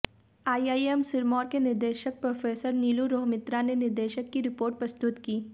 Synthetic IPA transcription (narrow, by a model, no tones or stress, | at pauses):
aːiaːiemsɪɾmɔːɾkenɪɾd̪eːʃək̚pɾoːfeːsəɾniːluɾoːɦmɪt̪ɾanenɪɾd̪eːʃəkːiɾɪpoːɾʈ̚pɾɐst̪ʊt̪kiː